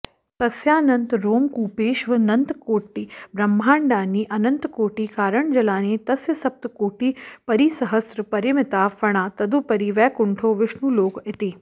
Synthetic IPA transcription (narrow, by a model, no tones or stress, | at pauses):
t̪ɐsjaːnɐ̃nt̪ɾoːmkuːpeːʃʋɐnɐnt̪koːʈːiːbɾɐmːʱaːɳɖaːniːʔɐnɐ̃nt̪koːʈiːkaːɾəɳ̃d͡ʒɐlaːniːt̪ɐsjɐsɐp̚t̪koːʈiːpɐɾiːsɐɦəsɾəpɐɾjɐmɪt̪aːfɐɽ̃aːt̪ɐd̪upɐɾiːʋɛːkʊɳʈʰoːʋɪʃnuːloːkɪt̪iː